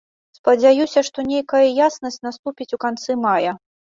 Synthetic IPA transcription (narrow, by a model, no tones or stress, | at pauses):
spɐd͡zʲajusʲɐʂt̪ɔnʲejkɐjɐjasnɐsʲt͡sʲnast̪upʲit͡sʲukant̪sɨmajɐ